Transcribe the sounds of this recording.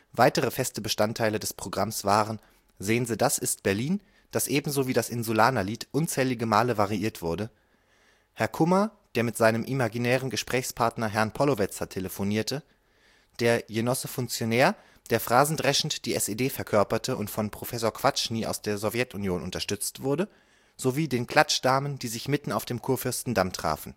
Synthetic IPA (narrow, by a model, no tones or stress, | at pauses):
v̥aɪtəʁəfɛstəbəʃtantʰːaɪlədɛspʁ̥oɡʁamsv̥aːʁən | zeːənziːdasɪst̚b̥ɛɐliːn | d̥asʔeːbm̩zoːviːdasʔɪnzulaːnaliːtʔʊnt͡sɛːlɪɡəmaːləvaʁiʔiːɐtv̥ʊɐdə | hɛɐkʰʊmɐd̥eːɐmɪtz̥aɪnəmʔimaɡinɛːʁənɡəʃpʁ̥ɛːçspʰaɐtnɐɦɛɐnpʰɔlovɛt͡sɐtʰeləfoniːɐtʰə | d̥eːɐjenɔsəfʊŋkt͡sjonɛːɐ | d̥eːɐfʁ̥aːzn̩dʁɛʃn̩td̥iːɛsedeːfɛɐkʰœɐpɐtʰəʔʊntfɔnpʁ̥ofɛsoːɐkv̥at͡ʃniːʔa̰ʊsd̥eːɐzɔvjɛtunjoːnʔʊntɐʃtʏt͡stv̥ʊɐdə | z̥oviːdeːnkl̥at͡ʃd̥aːmənd̥iːzɪçmɪtn̩aʊfd̥eːmkʰuːɐfʏɐstn̩damtʁ̥a̰ːfn̩